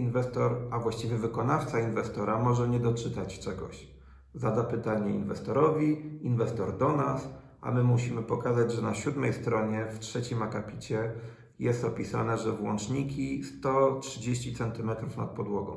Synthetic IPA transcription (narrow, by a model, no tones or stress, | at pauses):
invɛst̪ɔɾavwaɕt͡ɕivʲjɛvɘkɔnaft̪sainvɛst̪ɔɾamɔʐɛɲɛd̪ɔt͡ʂɘt̪at͡ɕt͡ʂɛɡɔ̰ɕ | zad̪apɘt̪aɲɛḭnvɛst̪ɔɾɔvʲiinvɛst̪ɔɾd̪ɔnas | a̰mɘmuɕimɘpɔkazad͡ʑʐɛnaɕud̪mɛjst̪ɾɔɲɛftʂɛt͡ɕimakapʲit͡ɕɛ | jɛst̪ɔpʲisa̰nɛʐɛvwɔnt͡ʂɲikʲist̪ɔtʂɨd͡ʑeɕt͡ɕit̪sɛnt̪ɘmɛt̪ɾufna̰t̪̚pɔd̪wɔɡɔ̃w̃